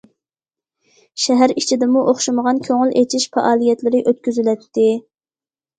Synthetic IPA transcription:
ʃɛɦæɾit͡ʃʰid̪ɪmuʔoχʃuməʁɑnkʲʰøŋylet͡ʃʰiʃfɛ̰ʔɑːlˠijɛt̪lɪɾɪʔøt̪̚kʲyzylɛt̪ʰːɪ

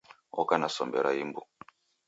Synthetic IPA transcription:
ɔkanasɔmbɛɾaimbu

